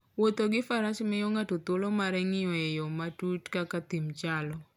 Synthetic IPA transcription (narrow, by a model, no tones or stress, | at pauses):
wot̪oɡɪfaɾaʃmɪjɔŋatut̪olomaɾɛŋɪɔejɔmatutkakat̪imt͡ʃalɔ